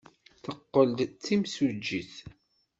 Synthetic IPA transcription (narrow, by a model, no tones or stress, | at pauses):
θəqːəld̪t͡sːimsud͡ʒːiθ